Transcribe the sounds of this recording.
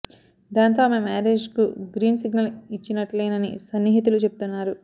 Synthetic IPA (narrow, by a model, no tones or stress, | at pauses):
d̪aːnt̪̬o̞ːmemɛːɾeːd͡ʒkuɡɾiːnsiɡnɐlit͡ʃːinɐʈlɐjnɐnḭsɐnːiːɦit̪ulut͡ʃe̞p̚u̥t̪unːaːɾu